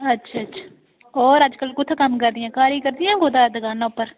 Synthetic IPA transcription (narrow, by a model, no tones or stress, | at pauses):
ətːʃʰaːətːʃʰḁː | ɔːɾəd͡ʒkəlkʊt̪ʰːkəmkəɾd̪ɪjãːkaːɾiːkəɾd̪ɪjãːɡoːd̪aːd̪əɡaːnaːʊpːəɾ